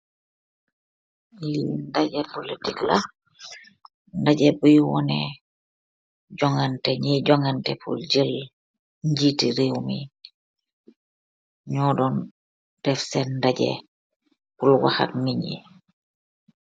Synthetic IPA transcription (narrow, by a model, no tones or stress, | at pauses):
lindaɟɛpolitikla | ndaɟebujwɔnɛ̰ | ɟɔŋantɛɲiɟɔŋantɛpṵlɟil | ɲɟitiɾewmḭ | ɲɔdɔn | tɛfsɛnndaɟɛ̰ | pulwa̰ha̰tniɲḭ